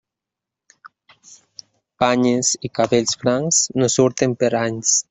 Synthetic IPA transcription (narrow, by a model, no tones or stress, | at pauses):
paɲesikaβeʎsfɾaŋsnosuɾt̪empeɾaɲs